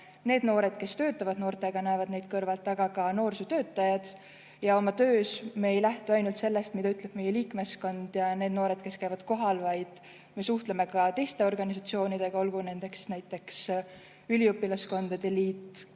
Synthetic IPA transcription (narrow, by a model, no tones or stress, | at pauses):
ne̞ːd̪̥no̞ːɾe̞d̪̥ke̞st̪ø̞ːt̪ːˑɑvɑd̪̥no̞ːrt̪ˑe̞ɡ̥ɑnæevɑd̪̥ne̞jd̪̥kɤrvɑlt̪ːˑɑɡ̥ɑkɑno̞ːrsut̪ø̞ːt̪ːˑɑjɑd̪̥ | jɑo̞mɑt̪ø̞ːsmeejlæht̪uɑjnult̪se̞lːe̞st̪mid̪̥ɑyt̪ˑleb̥me̞jeliːkme̞sko̞nd̪̥jɑne̞ːd̪no̞ːɾe̞d̪̥ke̞skæjvɑd̪̥ko̞ɦɑlvɑjd̪̥ | me̞suht̪leme̞kɑt̪e̞jst̪e̞o̞rɡ̥ɑnisɑt̪sio̞ːnid̪̥e̞ɡ̥ɑo̞lɡ̥une̞nd̪̥e̞ksnæjt̪ːˑe̞ks | ylʲiupːilɑsko̞nd̪̥ɑd̪e̞liːt̪ːˑ